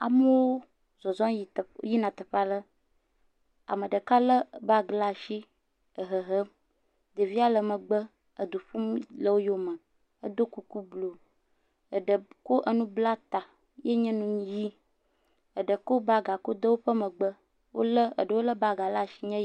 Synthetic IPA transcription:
a˨mə˦wo˦ | zɔ˨zɔ̃˦ji˦˨˦ji˦nã˨t̪ə˨ɸa˦lə˦ | a̰˨mə̃˨ɖə˨ka˦lə˦˨ba˦ɡla˨ʃi˦ | ə˨ɦə˨ɦə˦m | d̪ə˨vi˦a˦lə˨mə̃˨ɡ͡bə˦ | ə˨d̪u˨ɸu˦mlə˦wo˦jo˦mə˨ | ə˦d̪o˦ku˦ku˦blo˨ | ə˨ɖə˨ko˦ʔə˦nũ˦bla˦t̪a˨ | je˦ɲɛ̃˦nũ˦ji˦ | ə˨ɖə˨ko˦ba˦ɡa˨ko˦d̪ə˦wo˦ɸə˦mə˨ɡ͡bə˦ | wo̰˦lə˦ə̰˨ɖə˨wo˦lə˦ba˦ɡa˨la˦˨ʃi˦ɲɛ̃˦

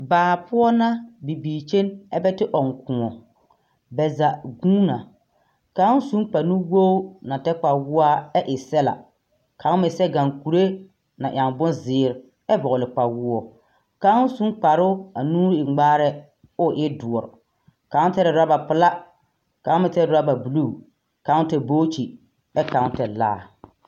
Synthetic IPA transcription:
baː˨pʊ˦ɔ˦na˦bi˨biː˨t͡ʃe˦nɛ˦bɛ˦tɪ˦ʔɔ˨ŋ˨kʰʊ˨ŋɔ˨ | bɛ˨za˨ɡuː˦na˨ | ka˨˦n˦su˨˦ŋk͡pa˨nu˦wo˦na˨tɛ˦k͡pa˨wʊ˦a˦ɛ˦ʔɪ˨sɛ˦la̰˨ | kʰa˨˦mɪ˨sɛ˦ɡa˨ŋku˨ɾe˦ | na̰˨ʔa˨ŋbʊ˦nzɪː˨˦˨ɾ | ɛ˦bɔ˨ʊ˨lɪ˨k͡pa˨wʊ˦ɔ˨ | ka˨˦su˦k͡pa˨ɾʊ˦a˨nuː˦ɾɪ˨ɡ͡baː˦ɾɛ˦ | ʊ˦˨ʔɪ˦dʊ˨ɔ˨ɾ̰ | ka˨˦tɛ˦ɾɪ˨da˦ba˨pʊ˨la˦ | ka˨˦mɪ˨tɛ˦ɾɾa˦ba˨bu˨lu˦˨ | ka˨˦tɛ˨boː˦t͡ʃi˨ | ɛ˦ka˨˦tɛ˨la̰ː˦˨

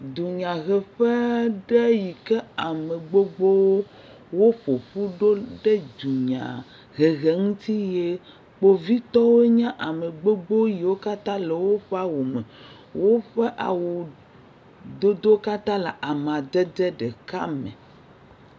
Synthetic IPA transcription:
d̪u˨ɲã˨ɣɛ˨ɸɛ˦ɖe˦ji˨kɛ˦a˨me˨ɡ͡bo˦ɡ͡bo˦wo˦ | wo˦ɸo˨ɸu˦ɖo˦ɖe˦d̪u˨ɲã̰˨ | ɣe˨ɣe˨ŋũ˦t̪i˦je˦ | k͡po˦vi˦t̪ɔ˦wo˦ɲã˦ʔa˨me˨ɡ͡bo˦ɡ͡bo˦ji˨wo˦ka˦t̪ã˦le˨wo˦ɸe˦a˨wo˨me˨ | wo˦ɸe˦ʔa̰˨wo˨ | d̪o˦d̪o˦ka˦t̪ã˦la˨ʔa˨m˨ã˨d̪ɛ˦d̪ɛ˦ɖe˨ka˦mḛ̃˨

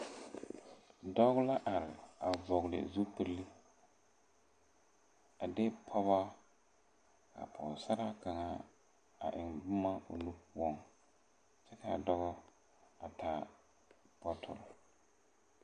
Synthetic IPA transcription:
dɔ˦ɣʊ˦la˦ʔa˨ɾɪ˨a˨vɔ˨ɡlɪ̰˨zu˦pi˦ɾli˦ | a˨dɪ˦pʰɔ˦βa˦ | ka̰˨pʰɔ˨sa˦ɾa˦ka˨ŋa˦ | a̰˨ʔɪ˨ŋbʊ˦ma˦o̰˨nu˦pu˨ɔ˦ŋ | t͡ʃɛ˦ka˨dɔ˦ɣʊ˦ | a˨tʰa˦ | bɔ˦tʰʊ̰˨l

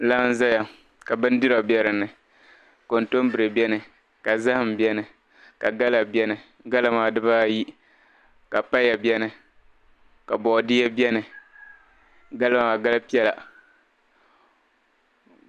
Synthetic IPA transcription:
la˦n̩˦za˦ja˨ | ka˨bɨ˦n˦dɨ˦ɾa˨bjɛ˦ɾɨ˨nɨ˨ | ko˨n˨to˦mbɨ˨ɾɨ˨bɛ˦nɨ˨ | ka˨za˦hɨ˨m˨bjɛ˦nɨ˨ | ka˨ɡa˦la˨bjɛ˦nɨ˨ | ɡa˦la˦maː˨dɨ˦ba˦ji˦ | ka˨pa˦ja˨bɛ˦nɨ˨ | ka˨bɔ˨ʔdɪ˦ɛ˦bjɛ˦nɨ˨ | ɡa˦la˦maː˨ɡa˦la˦pi˦ɛ˦la̰˨

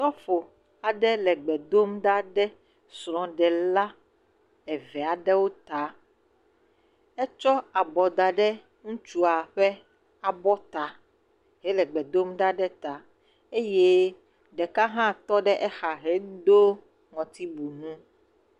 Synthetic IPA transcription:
t̪ɔ˦fo˨ | a˨ɖɛ˦lɛ˨ɡ͡bɛ˨d̪o˦mɖa˦ɖɛ˦ | sɾ̃ɔ̃˨ɖɛ˨la˦ | ɛ˨vɛ˨a˨ɖɛ˦wo˦t̪a˨ | ɛ˦t͡ʃɔ˦a˨bɔ˨d̪a˨ɖɛ˦ | ŋũ˦t͡ʃu˦a˨ɸɛ˦ | a˨bɔ˦t̪a˨ | ɦɛ˦lɛ˨ɡ͡bɛ˨d̪o˦mɖa˦ɖɛ˦t̪a˨ | e˦je˦ | ɖɛ˨ka˦ɦã˦˨t̪ɔ˦ɖɛ˦ʔɛ˦xa˨ɦe˨˦d̪o˦ | ŋɔ̃˨t̪i˦bu˨nũ˦

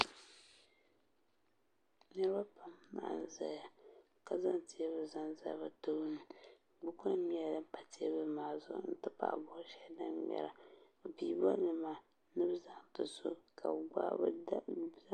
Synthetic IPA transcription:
nɨ˦ɾɨ˦ba˦pa˨m˦ma̰˨n˨za˨ja˨ | ka˨za˦nti˨ɛ˦βɨ˨za˦nza̰˨˦ba˦to˦nɨ˨ | ɡ͡bu˦ka˦mi˦a˦dɨ˦m˦pa˨ti˦ɛ̰˦bɨ˦maː˨zʊ̰˦n̩˦tɨ˦pa̰˨ʔbɔ˨ʔʃɛ˦da˦mmʲɛ̰˨ɾa˨ | biː˨˦ba̰˦mi˨maː˨ | nɨ˦bɨ˦za˦ŋtɨ˨so˦kʰa˨ɡ͡ba̰˦b

